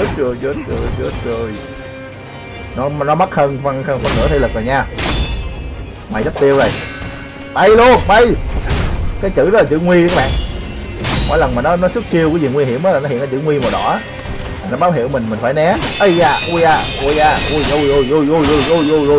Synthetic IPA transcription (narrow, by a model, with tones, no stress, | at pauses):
t̚zə˧˩jzə˦˥t̚əː˧˩jt͡ɕə˨˦˥t̚zə˧˩j | nɔ˨˦nɔ˨˦ma˦˥t̚həː˧nfə˧nhəː˧nfə˧nːɨ̰˧˥ət̪ʰe˧lɨ˨˩k̚zaː˨˩ŋɲaː˧˩ | ma̰˨˩jzə˦˥t̚t̪i˧əwzə˨˩j | ɓə˧jlu˧əŋɓə˧˩j | kaː˨˦jt͡ɕɨ̰˧˥zɔ˦˥t̚la˨t͡ɕɨ̰˧˥ŋwi˧kaː˨˦˥ɓa̰ː˧˨ʔ | mo̰˧˥˦jlə˨˩nmaː˨˩nɔ˨˦nɔ˨˦sɨ˦˥k̚t͡ɕi˧wka˨˦zi˨˩ŋwi˧ɦḭ˧˩əmʔaː˨˦laː˨˩nɔ˦hḭ˧˨nkaː˨˦t͡ɕɨ̰˧˨˦ŋwi˧ma˨˩ɗɔ̰˧˥aː˦˨˩ | nɔ˨˦ɓaː˨˦wɦḭ˧˨əwmi˨˩ŋ̟mï˨˩ŋ̟faː˧˦jnɛ˨˦ʔə˧˩jzaː˧˩ʔu˧jaː˧˩ʔu˧˩jaː˧˩ʔu˧˩jʔu˧˩jʔu˧˩jʔu˧˩jʔu˧˩jʔu˧˩jʔu˧˩jʔu˧jʔu˧